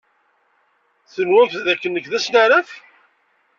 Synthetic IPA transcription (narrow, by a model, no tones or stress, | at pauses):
θənwæmfðækːənːəkːðæsnaɾəf